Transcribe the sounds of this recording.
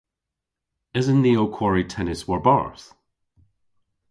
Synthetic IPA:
ɪzə̃nðiokʰw̥ɔɹitʰɛnɪswɔɹba̰ɹθ

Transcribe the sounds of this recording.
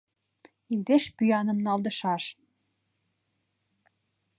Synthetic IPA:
ild̪eʃpyjɑnɤ̆mnɑld̪ɤ̆ʃɑʃ

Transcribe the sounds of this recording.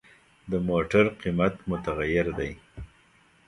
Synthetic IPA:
d̪əmoʈaɾqimat̪mʊt̪aɣajɪɾd̪aj

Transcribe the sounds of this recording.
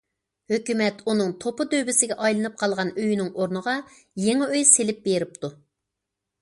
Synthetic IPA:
høkʲymɛt̪unɨŋt̪ʰopɨd̪øwbɪsɪɡʲɛʔɑjlˠɨnɨp̚qʰɑlˠʁɑnøjynɪŋoɾnəʁɑ | jeŋɨøjselɪp̚beɾɪp̚t̪u

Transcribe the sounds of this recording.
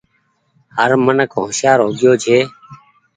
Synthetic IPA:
həɾmənəkɦõːʃjaːɾɦoːɡɪjoːd͡ʒʰeː

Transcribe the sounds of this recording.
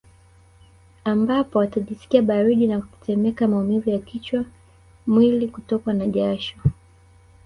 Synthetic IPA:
ambapɔwataʄisi̥kiaɓaɾiɗinaku̥i̥tɛmɛkamaumivujakit͡ʃwa | mwilikutɔkanaʄaʃɔ

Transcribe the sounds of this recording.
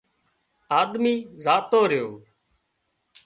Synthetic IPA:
aːd̪miːzaːt̪oːɾɪjoː

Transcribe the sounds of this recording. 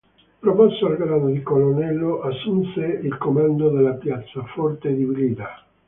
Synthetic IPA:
pɾopɔsːoalɡɾad̪od̪ikolonɛlːoʔasːunseilkomand̪od̪elapjat̪sːafɔrt̪ed̪ibilid̪a

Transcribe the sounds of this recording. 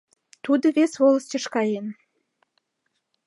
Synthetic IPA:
t̪ud̪ə̆βesβoləst͡ɕə̆ʃkɑjen

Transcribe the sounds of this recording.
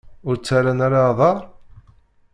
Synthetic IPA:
ʊɾt͡sːæɾænaɾaðˤɑɾˤ

